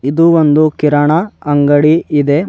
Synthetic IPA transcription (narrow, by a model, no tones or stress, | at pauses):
id̪uond̪ukiɾɐɳɐɐŋɡɐɽiid̪e̞